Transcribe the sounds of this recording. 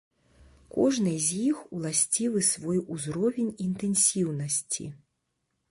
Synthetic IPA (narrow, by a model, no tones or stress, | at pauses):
kɔʐnɨjzʲjixulˠasʲt͡sʲivɨsvɔjuzɾɔvʲenʲint̪ɛnsʲiwnɐsʲt͡sʲḭ